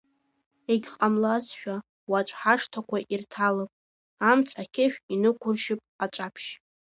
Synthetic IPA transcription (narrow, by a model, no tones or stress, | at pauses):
eɡʲqʼamlazʃᶣa | wat͡ʃʷʼħaʂtʰakʷʰaʔirtʰalɨpʼ | amt͡sʼakʲʰɪʃᶣinɨkʷʰʊrʃɪpʼat͡ʃʷʼapʰʃ